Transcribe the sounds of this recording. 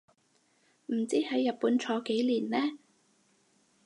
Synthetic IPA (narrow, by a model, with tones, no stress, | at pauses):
m̩˨˩t͡siː˥hɐ˨˥jːɐ˨t̚puː˨˥nt͡ʃʰɔː˨˥ke˨˥jliː˨˩nlɛː˥